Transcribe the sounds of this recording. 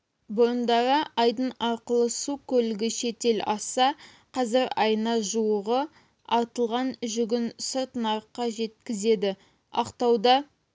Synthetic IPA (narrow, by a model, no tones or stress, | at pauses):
bʊɾənd̪ɑɾəʔɑjd̪ənɑɾqəlˠəsukʲʰɵlɪɡʲɪʃe̞t̪e̞lɑsɑ | qʰɑzɪɾɑjənɑʒuwəʁə | ɑɾt̪əlˠʁɑnʒʏɡʲɪnsəɾt̪ənɑɾəqːɑʒe̞t̪̚kʲɪze̞d̪ɪ | ɑ̰qt̪ɑwd̪ɑ